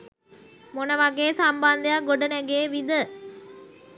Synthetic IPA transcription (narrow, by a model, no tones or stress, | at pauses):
monəʋaɡeːsamband̪əjaɡoɖənæɡeːʋid̪ə